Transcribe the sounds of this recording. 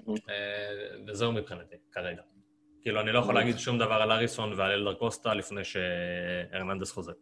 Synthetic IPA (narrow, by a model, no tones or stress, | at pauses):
evezeumipχinat̪ikaʁe̞ɡa | kiːluanilo̞jeχolaːɡid̪ʃumd̪avaʁalaʁiso̞nvealeld̪aʁko̞st̪alifne̞jʃeeʁnand̪esχo̞zeʁ